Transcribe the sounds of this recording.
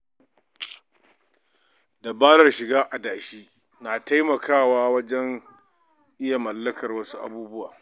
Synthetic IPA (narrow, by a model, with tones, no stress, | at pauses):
da˨baː˦nɐ˦rʃɪ˨ɡaː˦ʔa˨daː˨ʃiː˦ | naː˨ta˦jmɐ˨kʰaː˦˨waː˦wɐ˦d͡ʒɛ˦ŋ | ʔɪ˦ja˨mɐ˨lːɐ˦kɐ˨rwɐ˦su˦ʔa̰˨buː˦bʊ˦wa̰ː˨